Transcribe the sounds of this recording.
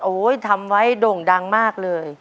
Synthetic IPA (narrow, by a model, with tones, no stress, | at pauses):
ʔoː˩˦jt̪ʰa˧mwa˦˥jdoː˨˩ŋda˧ŋmaː˥˩k̚lɤː˧j